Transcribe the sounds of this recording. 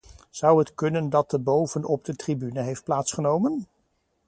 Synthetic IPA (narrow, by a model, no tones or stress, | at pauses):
z̥ʌwɦətkɵnəndɑt̚dəbowvənɔb̚dətribynəɦejft̚plaːtsχənowmən